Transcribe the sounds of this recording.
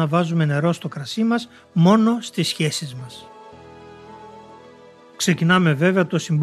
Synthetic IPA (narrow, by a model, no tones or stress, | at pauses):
ɐvɐzume̞ne̞ɾo̞st̪o̞kɾɐsimɐs | mo̞no̞st̪isçe̞sizmɐs | kse̞cinɐme̞ve̞veɐt̪o̞simb